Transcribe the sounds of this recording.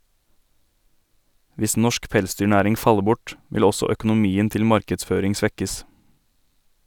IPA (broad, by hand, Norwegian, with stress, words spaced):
ˈʋɪs ˈnɔʃk ˈpɛlˌsdyːˌɳæːɾɪŋ ˈfɑlə ˈbʊʈ ˈʋɪl ˈɔsɔ œkʊnʊˈmiːən ˈtɪl ˈmɑɾkədˌsføːɾɪŋ ˈsʋɛkəs